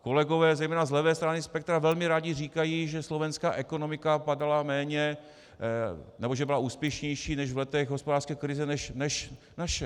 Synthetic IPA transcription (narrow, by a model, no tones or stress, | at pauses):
ko̞lɛɡovɛːzɛjmɛːnazlɛvɛːst̪ɾanɪspɛk̚t̪ɾavɛlmɪɾaːɟɪriːkajiːʒɛslo̞vɛnska̰ːʔɛkonomɪkapadalamɛːɲɛ | nɛboʒɛbɪlauːspjɛʃɲɛjʃiːnɛʒvlɛt̪ɛɣɦospodaːrskɛːkɾɪzɛnɛʃnɛʃ | naʃɛ